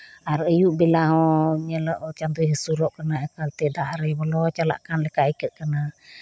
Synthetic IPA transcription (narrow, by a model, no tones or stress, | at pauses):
aɾʔəjuʔbilaɦɔɲəlɔʔt͡ʃant̪ujɦəsuɾɔʔkənaəkalt̪ɛdaʔaɾəjbɔlɔt͡ʃala̰ʔkanləkaʔikəʔkəna